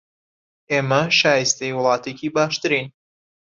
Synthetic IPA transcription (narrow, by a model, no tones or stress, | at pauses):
eːmɐʃaːjɨst̪ejwlˠɑːt̪eːciːbaːʃt̪ɨɾiːn